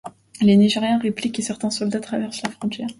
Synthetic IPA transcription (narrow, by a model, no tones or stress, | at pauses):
leniʒeʁjɛ̃ʁeplikːəsɛʁt̪ɛ̃sɔld̪at̪χavɛʁslafχɔ̃t̪ʲjɛːʁ